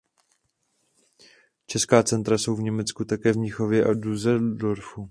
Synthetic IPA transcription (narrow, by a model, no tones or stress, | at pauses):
t͡ʃɛskaːt͡sɛnt̪ɾaso̞wvɲɛmɛt͡skut̪akɛːvɲɪxo̞vjɛʔaduzɛdoɾfu